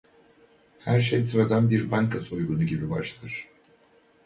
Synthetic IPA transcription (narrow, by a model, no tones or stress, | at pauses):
hæɾʃ̬ejsɯɾad̪anbiɾbaŋkʰasojɡunuɟibibaʃlˠaɾ̥